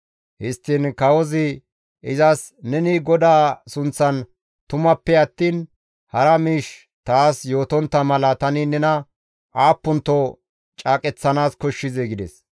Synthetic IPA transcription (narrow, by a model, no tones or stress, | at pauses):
hɪst̪ːɪnkɐwɔzɪ | ʔɪzɐs | nɛnɪɡɔd̪aːsʊnt͡sːɐn | t̪ʊmɐpːɛɐt̪ːiːn | hɐɾɐmiːʃ | t̪aːsjo̞ːt̪ɔnt̪ːɐmɐlɐt̪ɐnɪnɛnɐ | ʔaːpːʊnt̪ːɔ | t͡ʃʼaːkʼɛt͡sːɐnaːskɔʃːɪzɛɡɪd̪ɛs